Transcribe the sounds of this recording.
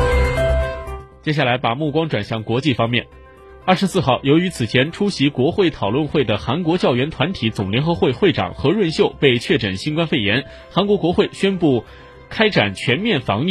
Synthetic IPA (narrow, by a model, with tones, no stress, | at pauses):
t͡ɕjɛ˥ɕ̬ja˥˩la˧˥ɪpa˨˩mu˥˩kwɑ˥ŋʈ͡ʂwa˨˩nɕjɑ˥˩ŋkwɔ˧˥t͡ɕi˥˩fɑ˥ŋmjɛ˥˩n | ɐ˞˥˩ʂɻ̩˧˥sɹ̩˥˧xɑ˥˩ʊjo˧˥ʊy˧˥t͡sʰɹ̩˨˩t͡ɕʰjɛ˧˥nʈ͡ʂʰu˥ɕi˧˥kwɔ˧˥xwe˥˩ɪt̪ʰɑ˨˩ʊlwə˥˧nxwe˥˩ɪd̪ə˩xa˧˥nkwɔ˧˥t͡ɕjɑ˥˩ʊɥɛ˧˥nt̪ʰwa˧˥nt̪ʰi˧˥t͡sʊ˨˩ŋljɛ˧˥nxɤ˧˥xwe˥˧ɪxwe˥˩ɪʈ͡ʂɑ̰˨˩ŋxɤ˧˥ɻwə˥˧nɕjo˥˧ʊpe˥˧ɪt͡ɕʰɥɛ˥˩ʈ͡ʂə˨˩nɕi˥nkwa˥nfe˥˩ɪjɛ˧˥n | xa˧˥nkwɔ˧˥kwɔ˧˥xwe˥˩ɪɕɥɛ˥npu˥˩ | kʰa˥ɪʈ͡ʂa˨˩nt͡ɕʰɥɛ˧˥nmjɛ˥˩nfɑ̰˧˥ŋi˥